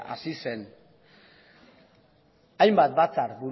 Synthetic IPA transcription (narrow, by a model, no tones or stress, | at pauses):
a̰sisen | ajmbat̪̚bat͡saɾbuɾ